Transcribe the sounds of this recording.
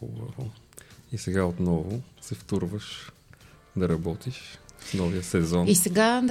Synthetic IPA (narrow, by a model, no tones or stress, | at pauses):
xʊ̰bɐvoisɛɡaot̪nɔvʊsɛft̪uɾvəʃ | d̪ɐɾɐbɔt̪iʃsnɔviəsɛzɔnisɛɡa